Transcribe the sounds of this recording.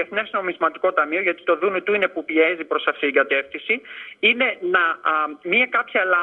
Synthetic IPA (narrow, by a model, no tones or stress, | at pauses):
eθne̞zno̞mizmɐt̪iko̞t̪ɐmio̞ʝɐt̪i̥t̪o̞ðunot̪uine̞pupie̞zipɾo̞sɐft̪it̪iɡɐt̪e̞fθisiine̞nɐmiɐkɐpçɐelɐ